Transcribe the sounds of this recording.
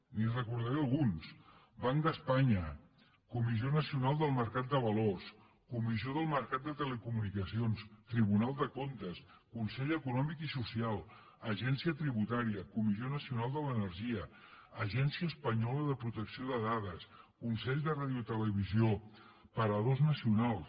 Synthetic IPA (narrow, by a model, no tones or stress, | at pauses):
nirəkuɾð̞ɛəlˠɣuns | baŋd̪əspaɲə | kumizionəsiunalˠd̪əlˠməɾkat̪̚d̪əβəlos | kumizioðəlˠməɾkat̪̚d̪ət̪ələkumunikəsionst̪ɾiβunalˠd̪əkont̪əs | kunsɛʎəkunɔmikisusialˠ | əʒɛnsiət̪ɾiβut̪aɾiəkumizionəsiunalˠd̪ələnəɾʒiə | əʒɛnsiəːspəɲɔləðəpɾut̪əksioðəðaðəskunsɛʎzðəraðiut̪ələβ̞izio | pəɾəðoznəsiunalˠ